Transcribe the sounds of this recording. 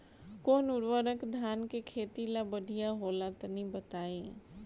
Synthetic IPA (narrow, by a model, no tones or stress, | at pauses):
koːnʊɾʋəɾəkd̪ʱaːnkekʰeːt̪ilabəɖʱijaɦolat̪ɔnibət̪ai